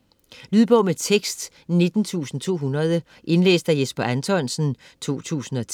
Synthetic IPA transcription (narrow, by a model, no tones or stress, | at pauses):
lyːðˠb̥ɔ̽ʊmet͡sʰeɡ̥sd̥ | ne̝d̥n̩t͡sʰṵːsn̩t͡sʰo̝̰ːɦunɐð̞ˠə | ʔe̝nlḛːsd̥æjesb̥ɐʔænt͡sʰɒnsn̩ | t͡sʰo̝̰ːt͡sʰṵːsn̩ɒ̽t͡sʰ